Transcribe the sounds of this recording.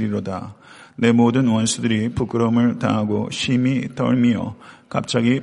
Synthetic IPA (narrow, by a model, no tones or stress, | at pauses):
ɾiɾʌda̰ne̞modɯnwʌnsʰudɯɾipuk͈ʰɯɾʌmɯɭta̰ŋɦaɡoɕʰimitʌ̰ɭmijʌ̰ka̰p̚t͡ɕ͈aɡi